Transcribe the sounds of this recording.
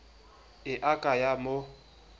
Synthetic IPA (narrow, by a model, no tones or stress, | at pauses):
ɪʔakʼajamo